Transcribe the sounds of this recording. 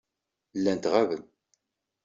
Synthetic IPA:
lːænt̪ʁævən

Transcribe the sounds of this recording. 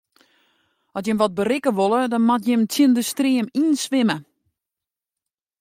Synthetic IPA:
ɔsjɪmʋɔt̚bərɪkəʋolˠədɔnmɔtjɪmtʰjəndəstrɪəminsʋɪmə

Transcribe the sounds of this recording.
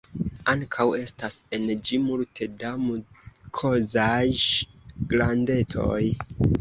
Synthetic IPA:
aŋkʰawe̞stase̞nd͡ʒimultʰe̞damukʰo̞zaj | ɡlande̞tʰo̞̰j

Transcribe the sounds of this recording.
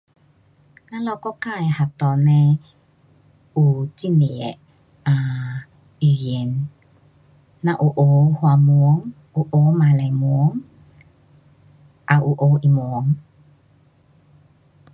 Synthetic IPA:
nalɔkɔkaehat̪ɔnɛ | utimiɛ̰ | a | iɾjɛn | aʔuʔohwamuoŋ | uʔomalɛmuoŋ | ʔaʔuʔoʔimuoŋ

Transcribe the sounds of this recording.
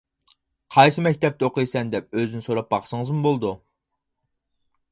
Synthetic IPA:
qʰɑjsɨmɛkʲt̪ʰɛp̚t̪ɛoqəjsɛnd̪ɛp̚øzɪnɪsoɾɑp̚bɑχsəŋəzmʊbolˠd̪u

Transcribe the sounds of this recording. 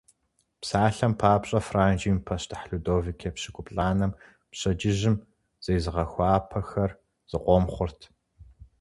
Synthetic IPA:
psaːɬɐmpʰaːpɕʼɐfraːnd͡ʒiːmpʰɐɕtʰħɬudoːvikʰepɕɪkʷʰʼʊpɬʼaːnɐm | pɕʼɐd͡ʒɪʑɪm | z̥ejzɨʁɐxʷɑːpʰɐxɐr | z̥ɨqʷʼɔmχʷʊrtʰ

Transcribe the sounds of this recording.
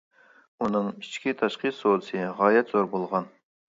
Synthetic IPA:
unɨŋit͡ʃʰkʲit̪ʰɑʃqʰɨsod̪ɨsɨʁɑːjɛt̪z̥oɾbolˠʁɑn

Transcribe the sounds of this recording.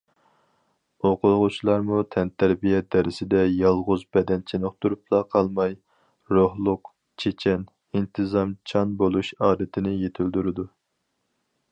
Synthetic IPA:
oqʊlˠʁʊt͡ʃʰilˠɑɾmut̪ʰɛnt̪ʰæɾbijɛd̪ɛɾɪsɪd̪ɛjɑlˠʁʊzbɛd̪ɛnt͡ʃʰenɨχt̪uɾuplˠɑqʰɑlˠmɑj | ɾohlˠʊq | t͡ʃʰet͡ʃʰɛn | int̪ʰɨzɑmt͡ʃʰɑnbolˠuʃɑːd̪ɪt̪ʰɪnɪjet̪ʰɪld̪yɾɪd̪u

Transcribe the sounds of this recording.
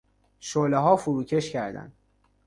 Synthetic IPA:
ʃoleɦɒːfuɾuːcʲʰeʃcʰæɾd̪æ̰nd̪̥

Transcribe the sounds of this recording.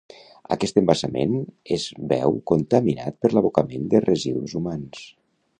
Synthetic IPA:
ə̰kɛst̪əmbasəmḛnezβɛ̰wkunt̪əmina̰t̪̚pəɾləβukəmend̪ərʔəziðuzumans

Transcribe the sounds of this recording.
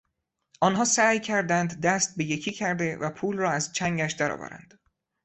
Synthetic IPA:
ʔɒːnɦɒːsæːjcʰæɾd̪ænd̪ːæst̪̚be̞je̞cʰiːcʰæɾd̪e̞væpʰuːlrɒːæzt͡ʃʰæŋɟæʃd̪æɾɒ̰ːvæ̰ɾæ̰nd̪̥

